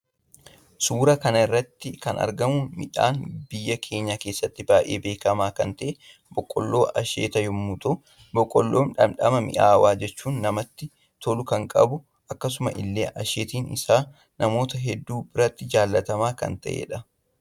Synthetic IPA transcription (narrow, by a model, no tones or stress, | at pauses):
suːɾɐkɐnɐɪrːɐt̪ːɪkɐ̰nɐ̰ɾɡɐmʊmɪ̰ᶑa̰ːnbɪjːɐkʰe̞ːɲːake̞ːsːɐt̪ːɪbaːʔe̞̰ːbe̞ːkɐmaːkɐnt̪ɐʔe | bɔkʼːɔ̰lːo̞ːʔɐʃḛːt̪ɐjɔmːʊt̪ʼʊ | bɔkʼːɔlːoːnᶑɐmᶑɐmɐmɪ̰ʔaːwaːd͡ʒɛt͡ʃːuːnːɐmɐt̪ːɪ | t̪ɔlʊkɐŋkʼɐbʊ | ɐkːɐsʊmɐ̰ʔɪ̰lːe̞̰ːʔɐʃeːt̪iːnɪ̰saː | nʔɐmo̞ːt̪ɐɦɛd̪ːuːbɪɾɐt̪ːɪd͡ʒaːlːɐt̪ɐmaːkɐ̰nt̪ɐ̰ʔḛːᶑɐ